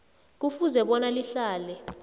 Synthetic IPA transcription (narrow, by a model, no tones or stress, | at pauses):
k̬ufuzɛɓɔnaliɬaːlɛ